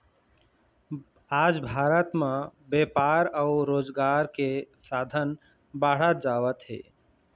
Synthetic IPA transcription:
aːd͡ʒbʱaːɾət̪mẽbepaɾəʊɾoːd͡ʒɡaːɾkesad̪ʱən | baɽət̪̚d͡ʒaːʋət̪ɦḛː

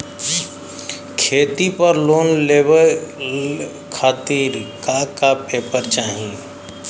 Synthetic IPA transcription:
kʰeːt̪ipəɾloːnleːbəl | kʰaːt̪iːɾkakapeːpəɾt͡ʃaːɦĩ

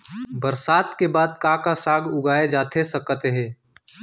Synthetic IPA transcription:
bəɾsaːt̪kebaːd̪kaːkasaːɡʊɡaːed͡ʒaːt̪ʰesəkət̪ɦɛ̃ː

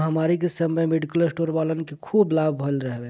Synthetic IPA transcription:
ɦəmaɾik̬esəmːəjmeɖikəlsʈoɾbalənkekʰublab̚ʱbʱəlɾəɦbe

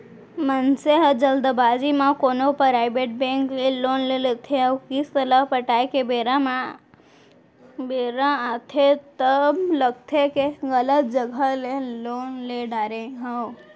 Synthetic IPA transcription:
mənseɦəd͡ʒəld̪əbaːd͡ʒimãkoːnopɾaɪbeʈ̚bẽŋkleloːnlelet̪ʰeəkist̪ələpəʈaːjkebeɾãmã | beɾãat̪ʰet̪əbləɡ̚t̪ʰekeɣələt̪̚d͡ʒəɡʱəlelonleɖaɾẽɦəw

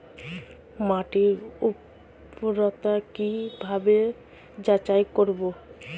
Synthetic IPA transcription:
maʈiɾup | ɾɔt̪akibʱabe | d͡ʑat͡ɕajkoɾbo

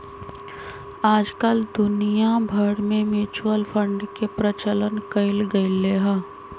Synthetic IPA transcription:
aːd͡ʒkəld̪ʊnijabʱəɽmẽmjuːt͡ʃuwəlfʰə̃ɳɖkepɾət͡ʃələnkəɪlɡəleːɦaː

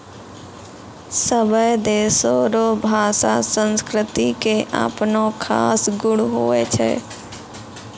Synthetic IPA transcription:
səbəjd̪eːsoɾobʱaːsasə̃nskɾɪt̪ikeʔa̰ːpnokʰa̰ːsɡʊɽɦoːet͡ʃʰɛ̰ː

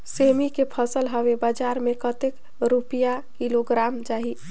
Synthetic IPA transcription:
semikepʰəsəlɦəʋebad͡ʒaɾmekət̪ek | ɾupijakiloɡɾamd͡ʒaɦi

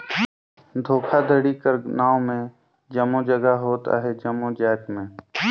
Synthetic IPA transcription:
d̪ʱoːkʰad̪ʱəɽikəɾnaːomẽ | d͡ʒəmːud͡ʒəɡaɦoːt̪a̰ɦɛd͡ʒəmːud͡ʒɛːk̪mẽː

